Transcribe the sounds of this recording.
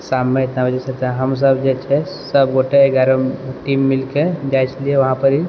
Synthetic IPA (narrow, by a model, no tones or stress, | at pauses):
samːeit̪nabəd͡ʑesətaɦəms̬əbd͡ʒet͡ʃʰe | səbɡoʈʰeeɡaɾoʈimːilked͡ʒajt͡ʃlijeʋɐɦãpəɾi